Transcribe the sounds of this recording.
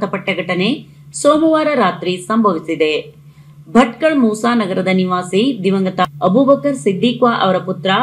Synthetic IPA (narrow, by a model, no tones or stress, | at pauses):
t̪ɐpɐʈːɐɡʱɐʈɐne | soːmɐʋaːɾɐɾaːt̪ɾisɐmbʱɐʋisid̪e | bʱɐʈkɐɭmuːsaːnɐɡɐɾɐd̪ɐniʋaːsid̪iʋɐŋɡɐt̪ɐɐbubɐkɐɾsid̪ːiːkʋaːʔɐ̰ʋɐɾɐput̪ɾɐ